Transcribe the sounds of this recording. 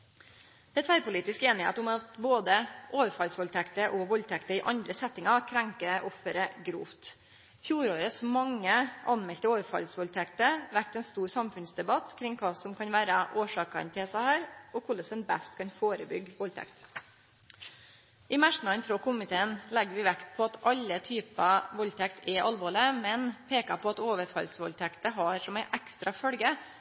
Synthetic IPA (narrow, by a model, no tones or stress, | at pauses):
d̪̥ɛɛt̪ʰʋæɾpʊliːt̪ɪskeːnɪhḛːt̪ʊmɑt̪boːd̪əʔoːʋəɾfɑlsʋɔlt̪ʰɛkt̪əʔɔʋɔlt̪ʰɛkt̪əɪʔɑnd̪ɾəsɛt̪ːɪŋɑkʰɾɛŋkəʔɔfəɾəɡɾṵːft̪ | fjuːɾoːɾəsmɑŋːəʔɑ̰nmɛlt̪əoːʋəfɑ̰lsʋɔlt̪ʰɛkt̪əʋæɾk̚t̪ɛːnst̪uːɾsɑmfʉnsd̪ɛbɑt̪kʰɾɪŋːkʰɑːsɔmkʰɑnʋæːɾəʔoːʂɑːkɑ̰nt̪ʰɪlsæhæːɾɔkʰʊlːəsɛnbæst̪kʰɑnfoːɾəbʏɡʋɔlt̪ʰɛ̰kt̪ | ʔɪmæʂnɑənfɾoːkʊmɪt̪ʰeːənlɛɡːəɾʋɪʋækt̪̚pʰɔɑt̪ʔɑlːət̪ʰyːpɑʋɔlt̪ʰɛkt̪ʰɛʔɑlʋɔːləmɛnpʰeːkɑ̰pʰɔɑt̪oːʋəɾfɑ̰lsʋɔ̰lt̪ʰɛkt̪əɦɑɾʂɔmæɪʔækst̪ɾɑfœlɡə